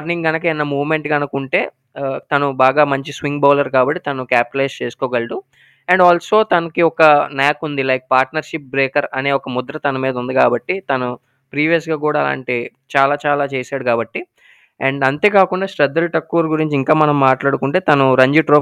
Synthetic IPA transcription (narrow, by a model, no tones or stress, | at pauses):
ɾniŋɡɐnɐkɐɛnːɐmuːʋme̞ɳʈɡɐnukuɳʈe̞ː | t̪ɐnubaːɡaːmɐɲt͡ʃisʋiŋɡbaːlɐɾkaːbɐʈːit̪ɐnukaːp̚pleːst͡ʃeːsu̥kɔːɡɐɭɖu | ɐɳɖaːlso̞ːt̪ɐnɐkiɔkɐnaːkund̪ilɐjk̚paːɾʈnɐɾʃip̚bɾeːkɐɾɐneːɔkɐmud̪ɐɾɐt̪ɐnɐmiːd̪ɐund̪ikaːbɐʈːit̪ɐnu | pɾiːʋijɐs̬ɡaːkuːɽaːla̰ːɳʈi | t͡ʃaːlaːt͡ʃaːlaːt͡ʃeːsaːɽukaːbɐʈːi | ɐɳɖɐnt̪e̞ːkaːkuɳɖaːʂʈɾɐd̪ːɐlʈɐkːuːɾɡuɾiɲt͡ʃiŋkaːmɐnɐmːaːʈlaːɽukuɳʈe̞ːt̪ɐnuɾɐɲd͡ʒiʈɾoː